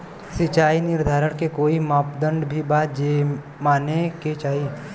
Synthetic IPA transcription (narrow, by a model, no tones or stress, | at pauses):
sɪt͡ʃaːinɪɾd̪ʱaːɾəɽkekoːimaːpd̪ə̃ɳɖbʱibaːt̪d͡ʒeː | maːneket͡ʃaːi